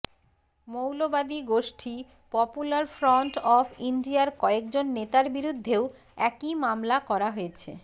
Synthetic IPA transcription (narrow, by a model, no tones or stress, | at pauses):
mowlobad̪iɡoʃʈʰi | pɔpulaɾfɾɔɳʈɔfʰiɳɖiaɾkɔek̚d͡ʑonːet̪aɾbiɾud̪ʱːeo | ɛkimamlakɔɾaɦoet͡ɕʰḛ